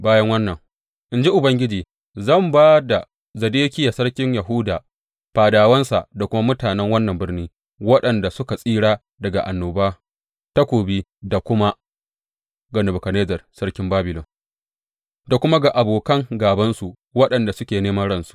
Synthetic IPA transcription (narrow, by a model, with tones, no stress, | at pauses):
baː˦jɐ˦ŋwɐ˦nːɐ˨ŋ | ʔɪ˨nd͡ʒi˦ʔʊ˨bɐ˦ŋɡʲɪ˦d͡ʒiː˨ | zɐ˦˨mbaː˦da˨ | zɐ˨deː˦kʲɪ˦jaː˨sɐ˦ɽkʲɪ˦ɲja˨ɦʊ˦daː˨ | ɸaː˨daː˨wɐ˦nsa̰˨ʔda˨kʷʊ˦ma˦mʊ˦taː˨nɛ˦ŋwɐ˦nːɐ˨mbɪ˦rniː˦ | wɐ˦ɗɐ˨nda˨sʊ˦ka˨sʼiː˦ɽaː˦ | dɐ˨ɡa̰˨ʔa˨nːoː˨baː˦ | ta˦kʷoː˨biː˦da˨kʷʊ˦ma˦ | ɡɐ˨nʊ˨bʊ˨kɐ˨neː˦zɐ˨rsɐ˦ɽkʲɪ˦mbaː˦bɪ˨lɔ˨ŋ | da˨kʷʊ˦ma˦ɡa˨ʔa˨boː˨kɐ˦ŋɡaː˨bɐ˦nsu˨ | wɐ˦ɗɐ˨nda˨sʊ˦kʲeː˨neː˦mɐ˦nɽɐ˦nsu̥˨ʔ